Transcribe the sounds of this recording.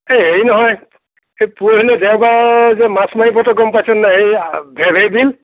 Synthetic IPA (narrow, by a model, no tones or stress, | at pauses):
ejɦeinɔɦɔj | epuɾilɛdɛwbazɛmasmanipɔtɔɡɔmpajsɔnːaɦejbʱɛbʱejdil